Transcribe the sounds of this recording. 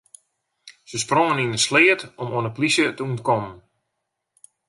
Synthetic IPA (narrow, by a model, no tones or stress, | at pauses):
səsproŋəninəslɪːətɔmoənəplisjətəuntkɔmən